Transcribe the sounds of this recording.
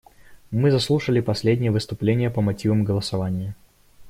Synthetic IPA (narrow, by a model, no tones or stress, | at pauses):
mɨzɐslˠuʂəlʲɪpɐsʲlʲedʲnʲɪjəvɨst̪ʊplʲenʲɪjəpəmɐtʲivəmɡəlˠəsɐvanʲɪjə